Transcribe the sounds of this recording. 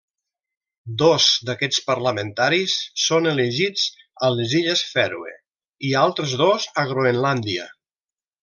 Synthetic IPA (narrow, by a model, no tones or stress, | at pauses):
d̪ozd̪akɛt͡spəɾləment̪aɾisːoneleʒid͡z | əleziʎesfɛɾwḛ | ialˠt̪ɾezðozəɣɾoenland̪iə̰